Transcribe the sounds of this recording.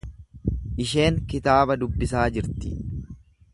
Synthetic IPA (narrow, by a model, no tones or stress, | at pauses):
ʔɪʃe̞ːŋkɪt̪aːbɐd̪ʊbːɪsaːd͡ʒɪɾt̪ɪ